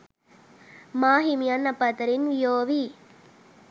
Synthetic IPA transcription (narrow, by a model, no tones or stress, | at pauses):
maːɦimijɐnːɐpːɐt̪ɐɾinʋijoːʋi